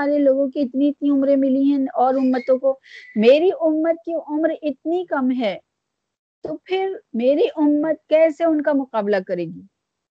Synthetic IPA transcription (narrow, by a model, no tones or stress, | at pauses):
aːɾeloːɡõkiɪt̪niɪt̪niʊmɾẽmɪliɦɛ̃ɔːɾʊmːət̪õkomeːɾiʔʊmːət̪̚kiʔʊmɾɪt̪nikɐmɦɛ | t̪opʰɪɾmeːɾiʔʊmːət̪̚kɛːseʊnkamʊqaːblakɐɾeːɡiː